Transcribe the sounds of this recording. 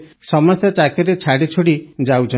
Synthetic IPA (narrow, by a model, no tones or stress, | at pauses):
sɔmɔst̪ɔt͡ʃakiɾet͡ʃʰaɽit͡ʃʰoɽid͡ʒawt͡ʃʰɔ